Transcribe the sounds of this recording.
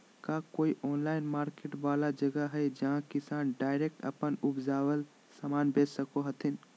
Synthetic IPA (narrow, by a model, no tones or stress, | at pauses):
kaːkoːiʔɔːnlaːɪnmaːɾkeːʈʋaːlad͡ʒəɡəɦɛd͡ʒɐɦãkɪsaːnɖaːɪɾeːk̚ʈə̰pənʊpd͡ʒaːwəl | samaːnbeːd͡ʒsəkoɦɐt̪ʰɪn